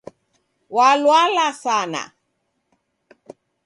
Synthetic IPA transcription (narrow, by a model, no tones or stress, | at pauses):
walwalasana̰